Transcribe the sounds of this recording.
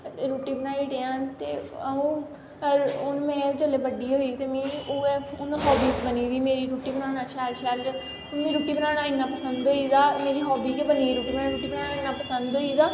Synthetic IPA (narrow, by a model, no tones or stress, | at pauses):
ɾuːʈiːbənaːiːɖeãːt̪eːəũː | əɾʊnmɛ̃ːd͡ʒəleːbəɖiːɦoːiːt̪eːmẽːoeːʊnɦɔːbiːsbəniːd̪iːmeːɾiːɾuːʈiːbənaːnaːəʃʰaːlʃʰaːla | ʊnːd̪iːɾuːʈiːbənãːnaːɪnːãːpəsənd̪ɦoːiːd̪aːmeːɾiːɦɔːbiːkebəniːɾuːʈiːbəaɾuːʈiːbənaːnaːɪnːãːpəsənd̪ɦoːid̪aː